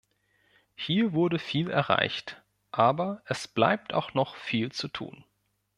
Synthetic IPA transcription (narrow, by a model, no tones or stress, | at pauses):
hiːɐvʊɐdəfiːlɛ̰ɐʁa̰ɪçt | ʔaːbɐʔɛsb̥la̰ɪp̚tʰa̰ʊxnɔχfiːlt͡sutʰṵːn